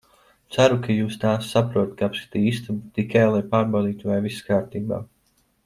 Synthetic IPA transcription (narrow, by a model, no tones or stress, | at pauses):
t̪sæɾukʰajuːst̪aːsːapɾuɔt̪kapst̪iːist̪umt̪ikajlˠajpaːɾbawd̪iːt̪uvajviskaːɾt̪iːba̰ː